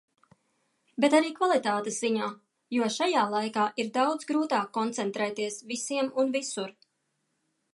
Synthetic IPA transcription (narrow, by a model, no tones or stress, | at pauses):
bet̪aɾiːkvalˠit̪aːt̪esz̥iɲaː | juɔʃajaːlˠajkaːʔiɾd̪awd̪zɡɾuːt̪aːkːɔnt̪sɛnt̪ɾɛːt̪iɛsvisiɛmunvisuɾ